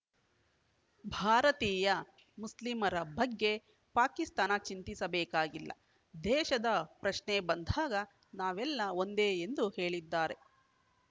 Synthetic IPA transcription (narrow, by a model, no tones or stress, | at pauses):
bʱaːɾɐt̪iːjɐ | muslimɐɾɐbɐɡːe̞ | paːkist̪aːnɐt͡ʃint̪isɐbɛːkaːɡilːɐ̰ | d̪ɛːʃɐd̪ɐpɾɐʃnebɐnd̪ʱaːɡɐ | naːʋɛlːɐo̞nd̪e̞ːend̪uhe̞ːɭid̪ːaːɾe̞